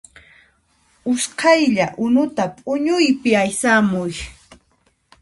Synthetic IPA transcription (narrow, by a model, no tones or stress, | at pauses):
ʊsqʰɑjʎaʔʊnʊt̪apʼʊɲʊjpɪajsamʊj